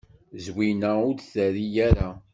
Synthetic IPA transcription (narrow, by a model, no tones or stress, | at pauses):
zwinæʊdθæɾijæɾa